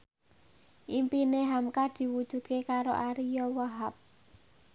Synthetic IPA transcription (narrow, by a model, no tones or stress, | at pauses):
ʔimpineɦamkad̪̥i̤wud̥ʒ̥ṳd̪̥̚kekaɾo̰ʔaɾijɔwaɦap̚